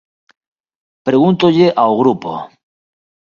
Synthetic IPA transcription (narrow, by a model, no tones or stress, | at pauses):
pɾe̞ɣunt̪oʎeʔaoɣɾupo̰